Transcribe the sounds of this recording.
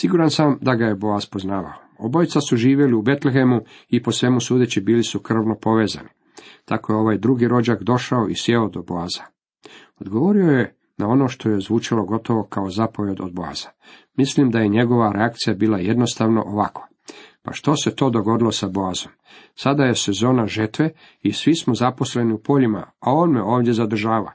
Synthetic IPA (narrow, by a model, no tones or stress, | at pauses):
siɡuːɾansamd̪aɡajebo̞azpoznaːʋa̰oobojt̪sasuʒiːʋje̞liube̞t̪lexe̞mu | ipo̞sʋe̞musuːd̪et͡ɕibiːlisukr̩ʋno̞po̞ʋe̞ːza̰ni | t̪ako̞jeo̞ʋajd̪ɾuɡiɾo̞d͡ʑakd̪o̞ʃaoʔisjeod̪o̞boaːz̥a | od̪ɡoʋo̞ɾio̞je | nao̞no̞ʃt̪o̞je̞zʋuːt͡ʃiloɡo̞t̪o̞ʋo̞kaozapo̞ʋjed̪od̪̚boa̰z̥a | mislimd̪aje̞ɲe̞ɡo̞ʋaɾʔeakt̪sijabiːlˠajed̪no̞st̪aʋno̞̰ʔoʋakḁ | pa̰ʃt̪o̞se̞t̪o̞ːd̪o̞ɡo̞d̪ilo̞saboazo̞m | sad̪aje̞se̞zo̞ːnaʒet̪ʋe | isʋismo̞zapo̞sle̞niupo̞ʎima̰ao̞ːnmeo̞ːʋd̪je̞zad̪r̩ʒaːʋa̰